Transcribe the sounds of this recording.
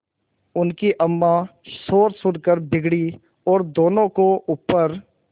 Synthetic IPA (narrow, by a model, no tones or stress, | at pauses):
ʊnkiʔəmːãsoːɾsʊnkəɾbɪɡɽi | ɔːɾd̪oːnõkoʔʊpːəɾ